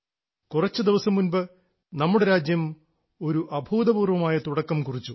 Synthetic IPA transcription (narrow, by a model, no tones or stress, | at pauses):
kurɐt͡ɕːud̪iʋɐsɐmːunbɨ | nɐmːuɽe̞ɾaːd͡ʑjɐm | o̞ɾuʔɐbʱuːd̪ɐbuːrʋɐmaːjɐt̪uɽɐkːɐmkurit͡ɕːu